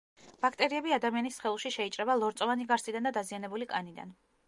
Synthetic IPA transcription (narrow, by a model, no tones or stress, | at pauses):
b̥akʰt̪ʼɛɾiɛbiad̪amianisχɛlˠuʃiʃɛit͡ʃʼɾɛbalˠɔɾt̪sʼɔvaniɡaɾsid̪and̪ad̪azianɛbulikʼanid̪a̰n